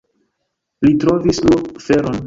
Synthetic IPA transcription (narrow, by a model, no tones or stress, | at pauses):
litɾo̞vislokfe̞ɾo̞n